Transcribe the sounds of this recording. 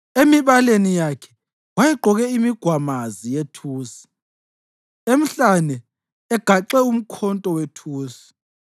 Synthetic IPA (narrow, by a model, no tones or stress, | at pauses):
emiβalenijakʰɛ̥ | wajɛɡ͡ǃʱɔɣɛimiɡ̥ʱwamazijetʰuːsi̥ | em̩ɬanɛː | ɡ̥ʱaǃɛum̩kʰɔntʼɔwetʰuːsi̥